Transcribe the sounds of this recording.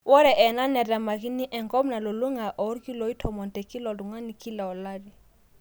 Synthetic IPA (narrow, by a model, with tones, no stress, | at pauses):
wɔ˦ɾɛ˨ʔɛ˨na˦nɛ˨ɾɛ˨ma˨ki˦ni˦ʔɛ˨ŋɡɔ˦mna˨lɔ˨lu˦ŋa˨ʔɔ˨˦ɾki˦lɔ˨i˦tʰɔ˨mɔ˨ntɛ˨ki˦lɔ˨lu˨ŋa˦ni˨ki˦la˨ɔ˨la˦ɾi˨